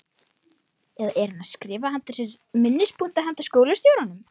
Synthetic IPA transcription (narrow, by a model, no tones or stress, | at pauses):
ɛðaʔɛɾɪnaskɾɪːvahamt̪asɛɾ | mɪnːɪspunt̪aɦɛnt̪ḁskoːwlʏst̪joːwɾanʏm